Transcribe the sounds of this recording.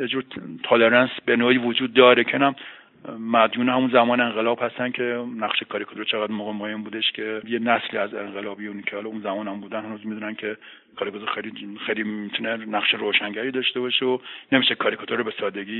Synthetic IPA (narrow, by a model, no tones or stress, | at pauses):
jed͡ʒuːɾt̪ʰɑleɾænsbenoːiːvod͡ʒuːd̪̚ːɒːɾekʰenæm | mæd̪juːnehæmunzæmɒːneeŋɢelɒːb̥hæst̪æncʰe̞næχʃekʰɒːɾikʰɒt̪oɾt͡ʃʰeɣæd̪moɣemɒːjembuːd̪eʃcʰe̞jenæsliːæze̞ŋɢelɒːbijuncʰehɒːlɒunzæmɒːnhæmbuːd̪ænhænuːzmid̪uːnæncʰe̞ | kʰɒːɾikʰɒt̪oɾxejlixejlimit̪ʰunenæχʃeɾoːʃæŋɟæɾiːd̪ɒʃt̪ebɒʃeonemiːʃekʰɒːɾikʰɒt̪ʰoɾobesɒːd̪e̞ɡiː